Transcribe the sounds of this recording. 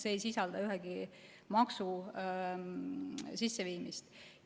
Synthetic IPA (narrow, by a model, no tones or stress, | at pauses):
seːjsisɑld̪ɑyɦɛɡ̥i | mɑksu | sisːeviːmist̪